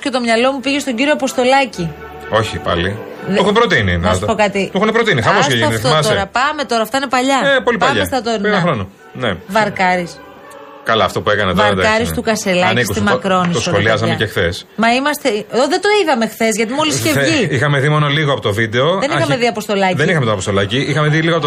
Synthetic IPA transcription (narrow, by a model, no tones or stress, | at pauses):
scet̪o̞mɲɐlo̞mupiʝe̞st̪o̞ɟiɾioɐpo̞st̪o̞lɐci | o̞çipɐ̰li | ðuxunepɾot̪iniɐspokɐt̪iuxunepɾot̪inixɐosseɐit̪omɐst̪oeɾɐpɐme̞t̪o̞ɾɐːft̪ɐine̞pɐʎɐepolipɐʎɐest̪ɐt̪oɾɐxɾono | nevɐɾkɐɾis | kɐlɐːft̪opue̞kɐnɐt̪ovɐɾt̪kɐɾist̪ukɐse̞lɐɐ̰nikskust̪imɐkɾo̞nisosxoliɐzɐmecexθe̞smɐimɐst̪eoðed̪oiðɐme̞xθe̞zʝɐt̪imolisce̞vʝiixɐmeðimo̞noliɣoɐpo̞t̪ovid̪e̞oðenixɐmeðiɐpo̞st̪o̞lɐðenixɐmet̪onɐpost̪o̞lɐciixɐme̞ðiliɣoɐpot̪